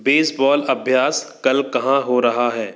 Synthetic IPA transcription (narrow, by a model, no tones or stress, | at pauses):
beːsbɔːlɐbʱjaːskɐlkɐɦãɦoɾɐɦaɦɛː